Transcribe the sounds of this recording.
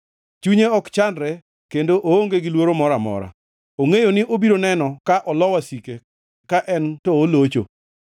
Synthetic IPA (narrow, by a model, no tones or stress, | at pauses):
t͡ʃuɲeɔkt͡ʃandɾɛ | kendoʔooŋɡeɡɪlwoɾomɔɾamɔ̰ɾa̰ | oŋejonɪʔobiɾonɛnɔkaʔɔlɔwasike | kaʔɛntɔːlot͡ʃo̰